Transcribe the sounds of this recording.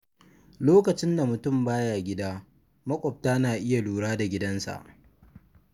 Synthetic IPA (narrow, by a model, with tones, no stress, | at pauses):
loː˦kɐ˨t͡ʃɪ˦nda˨mʊ˨tʊ˦˨mbaː˦jaː˨ɡʲɪ˦daː˦ | mɐ˦kʷʼɔ˨p̚taː˦naː˨ʔɪ˦ja˨luː˨ɽaː˦da˨ɡʲɪ˦dɐ˦nsa̰˨ʔ